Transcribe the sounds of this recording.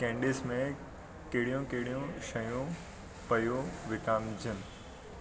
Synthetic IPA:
kɛ̃ːɳɖɪːsmẽ | keɦɪɽijũkeɦɪɽijũʃɐjũ | pɐjoʋɪkaːmd͡ʑʱənɪ̆

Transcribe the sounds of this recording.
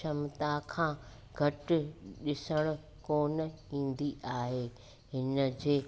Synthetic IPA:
ʃʰɐmt̪akʰãː | ɡʱɐʈɪ̆ɗɪsəɽ̃ʊ̆ | koːnəĩːn̆d̪iʔaːɦeː | ɦɪnə̆d͡ʑeː

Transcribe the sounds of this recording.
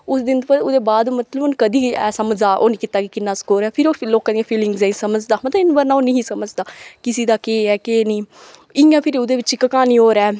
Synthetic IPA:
ʊsd̪ɪnt̪opəʊd̪eːbaːd̪mət̪ləbʊnkəd̪iːɛːsəməd͡ʒaːʔo̰ːnĩːkɪt̪aːkikɪnːãːskoːɾɛːpʰɪɾoːloːkːãːd̪ijãːpʰiːlɪŋɡzɛ̃ːĩsəməd͡ʒd̪aːmət̪əɪnbəɾnãːoːnĩːĩːsəməd͡ʒd̪aːkɪsiːd̪aːkeːɛːkeːniːɪjãːpʰɪɾʊd̪eːʋɪt͡ʃikəkaːniːɦoːɾɛː

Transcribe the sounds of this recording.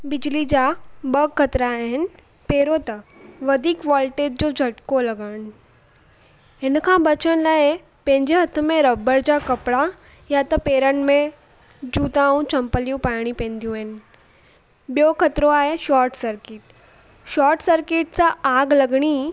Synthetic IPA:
bɪd͡ʑlid͡ʑabɐɡkːɐt̪ɾaːɦɪnɪ̆ | peːɾot̪ɐʋɐd̪ʱiːkʋaːlʈeːɖ̚d͡ʑoːd͡ʑʱɐʈkolɐɡaːɽ̃ | ɪnkʰãbɐt͡ɕəñlaːe | pɐ̃ɦɪ̃ɲd͡ʑeɦɐt̪ʰəmẽɾɐbəɾd͡ʑakɐpɽa | jat̪ɐpeːɾənmẽ | d͡ʑuːt̪ãũt͡ɕɐ̃mpəlijũpaːɪɽ̃ipɛ̃ːnd̪ijũaɦɪnɪ̆ | bjokʰɐt̪ɾoaːeʃaːɾʈsɐɾkɪʈ̚ | ʃaːɾʈsəɾkɪʈsãaːɡlɐɡɽ̃i

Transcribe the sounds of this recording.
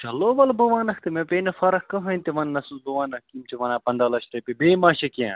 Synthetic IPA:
t͡ʃɐloːʋɐlbɐʋaːnɐkt̪ɨmẽpeːnɐfɐɾɐkkɐɦɐnʲt̪iʋɐnːɐsubuʋaːnɐkkimt͡ʃʰiʋɐnaːpɐnd̪aːlɐsɾɐpibeːmaːʃekã̰ː

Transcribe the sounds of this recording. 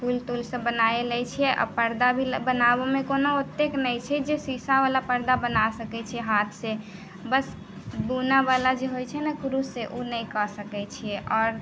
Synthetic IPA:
pʰult̪ulsə̃bənajelɛjt͡ʃʰijɛʔɔ̰pəɾd̪abʱibənabemekonout̪ːeknəjt͡ʃʰɛd͡ʒesisaʋalapəɾd̪abənasəkɛt͡ʃʰɛɦat̪ʰsẽ | bəs | bunabalad͡ʒeɦojt͡ʃʰɛnɛkɾusːeʔunəjkəsəkɛt͡ʃʰijɛʔɔːɾ

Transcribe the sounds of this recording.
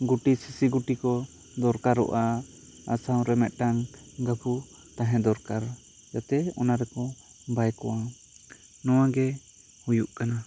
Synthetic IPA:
ɡuʈisisiɡuʈikɔ | d̪ɔɾkaɾɔ̰ʔa | a̰saw̃ɾɛmɛt̪̚ˀʈaŋ | ɡabʰu | t̪ãɦɛ̃d̪ɔɾkaɾ | jat̪ɛɔ̰naɾɛkɔ | bajkɔwa | nɔwaɡɛ | hujuʔkana

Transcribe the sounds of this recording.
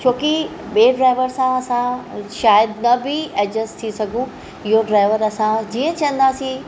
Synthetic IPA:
t͡ɕʰoːki | ɓeːɖɾaːɪʋəɾsãɐsãʃaːjəd̪nɐbɪɐd͡ʑəst̪ʰisɐɡʱũ | ɪɦoɖɾaːɪʋəɾɐsãd͡ʑiːə̃t͡ɕɐə̃nd̪aːsĩ

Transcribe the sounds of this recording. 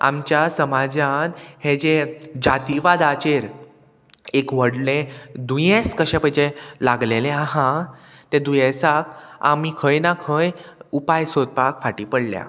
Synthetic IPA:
a̰mt͡ɕjasəmad͡ʑãnhed͡ʑed͡ʑat̪iʋad̪at͡ɕeɾ | ekʋəɽlẽd̪ujẽskəɕɛ̃pəjd͡ʑelaɡlelẽaɦãt̪ed̪ujẽsaka̰mikʰəjnakʰəjupajsod̪̚pakfaʈiːpəɽlja̰

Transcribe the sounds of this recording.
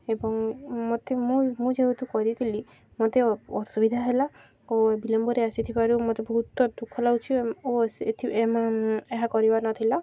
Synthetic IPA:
ebɔŋmot̪emũmũd͡ʒeut̪ukɔɾit̪ʰili | mot̪eɔsubid̪ʱaɦela | obilɔmbɔɾeasit̪ʰipaɾumot̪ebɔɦut̪ːɔd̪ukʰːɔlawt͡ʃʰioḛt̪ʰiemaeɦakɔɾibaɾnɔt̪ʰila

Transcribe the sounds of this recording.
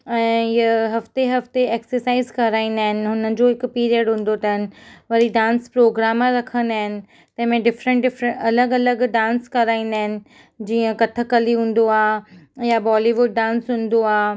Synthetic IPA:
ɛ̃ːɪəɦɐft̪eɦɐft̪eeːksəɾsaːɪzkɐɾaːĩːn̆d̪aːɦɪnɪ̆ɦʊnəd͡ʑoːɦɪkpiːɾiəɖɦũːn̆d̪ot̪ɐɦɪnɪ̆ʋɐɾiɖãːnspɾoːɡɾaːmãɾɐkʰə̃nd̪aːɦɪnɪ̆ | t̪ɐ̃ɦɪ̃mẽɖɪfɾə̃ɳʈ̚ɖɪfɾə̃ɐləɡɐləɡɖãːnskɐɾaːĩːn̆d̪aːɦɪnɪ̆ | d͡ʑiːə̃kɐʈʰə̆kɐliɦũːn̆d̪oaːjabɔːliʋʊɖ̚ːãːnsɦũːn̆d̪oaː

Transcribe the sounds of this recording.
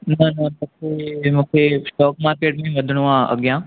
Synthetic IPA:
nɐnɐt̪ɐsemũːkʰesʈɔːkmaːɾkeːʈmẽʋəd̪ʱɽ̃uʋãɐ̰ɡjãː

